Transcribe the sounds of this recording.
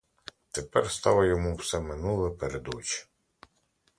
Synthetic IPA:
t̪epɛrst̪ɑʋɐjɔmuwsɛmɪnulˠɛpeɾed̪ɔt͡ʃ

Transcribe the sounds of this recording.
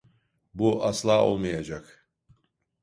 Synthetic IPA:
buʔaslˠaːo̞̰lˠmajad͡ʒak

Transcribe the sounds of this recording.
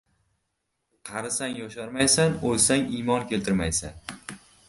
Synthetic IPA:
qʰɑɾɪsaŋjɒʃaɾmajsanolsaŋimɒnkʲʰe̞lt̪ʰɪɾmajsan

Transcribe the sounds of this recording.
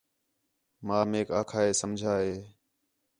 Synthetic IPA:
mãːmeːkaːkʰaːeːsəmd͡ʒʱaːɦeː

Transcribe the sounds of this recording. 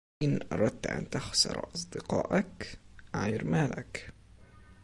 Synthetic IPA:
ʔɪnʔɑ̰ɾˤɑd̪̚t̪ʔa̰nt̪axsɑ̰ɾˤʔɑsˤd̪ɪqɑ̰ːʔakʕajɾmaːla̰k

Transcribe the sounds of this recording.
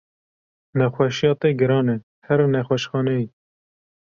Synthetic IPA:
nɛxwɛʃjɑːt̪eːɡɨɾɑːne | hɛɾnɛxʷwɛʃxɑːnɛji

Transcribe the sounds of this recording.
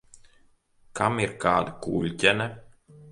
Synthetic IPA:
kʰamiɾkaːd̪akuːlʲcʲɛnɛ

